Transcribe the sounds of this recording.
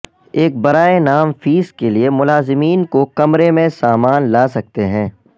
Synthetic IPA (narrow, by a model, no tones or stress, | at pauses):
eːk̚bɐɾaːenaːmfiːskeliemʊlaːzɪmiːnkokɐmɾemẽsaːmaːnlaːsɐk̚t̪eɦɛ̃ː